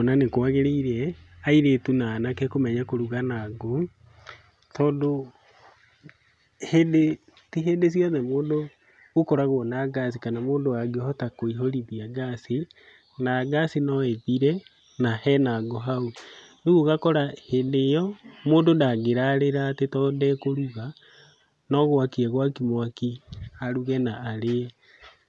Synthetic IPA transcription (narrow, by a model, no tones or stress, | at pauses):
onanekwaɣeɾeiɾɛaiɾetunaːnakɛkomɛɲakoɾuɣanaɡo | tɔːdo | hede | tiɦedes̬jɔðɛmoːndoː | kɔɾaɣoɔnaɡasikanamoːndoaɡehɔtakoiɦoɾiðiaɡasi | naːɡasinɔetiɾɛ | nahɛnaɡɔɦaoneɣuɣakɔɾahendejɔmoːndodaɡeɾaɾeɾatetɔːdɛkoɾuɣa | nɔɣwakiɛɣwakimwakihaɾuɣɛnaːɾe